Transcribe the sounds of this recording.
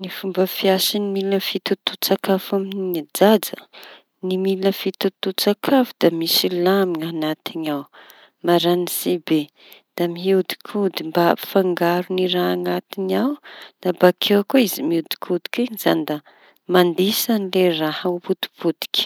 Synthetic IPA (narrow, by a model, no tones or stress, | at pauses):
nifumbəfiasinimiləfit̪ut̪ut͡sakafaminid͡zad͡zə | nimiləfit̪ut̪ut͡sakʰavud̪amisilamianat̪iɲaw | maɾanisibe | d̪̥amiɦiwd̪i̥kʰud̪imbaapi̥faŋɡaɾuniɾaːŋat̪inawnabakʰewakaizimiiud̪i̥kʰud̪i̥kʲiɲizand̪a | mand̪isanilerahauput̪i̥pud̪̥i̥kʲ